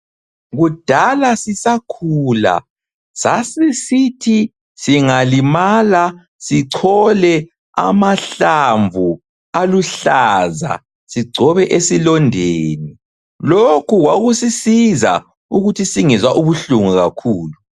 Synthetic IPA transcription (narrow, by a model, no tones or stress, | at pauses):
ɣud̥ʱalasisakʰula̰ | sasisitʰi | siŋalimala | siǀʰɔlɛ | a̰maɬaɱvʱu | aluɬaza̰ | siɡ͡ǀʱɔβɛʔesilɔndʱeːni | lokʰuɣwaɣusisiza̰ | uɣutʰisiŋizwaʔuβuɬuŋuɣakʰuːlu